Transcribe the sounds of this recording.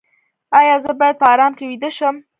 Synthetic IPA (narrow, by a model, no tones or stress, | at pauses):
ɑːjɑːzəbɐɾd̪̚paːɾɑːmkewid̪əʃəm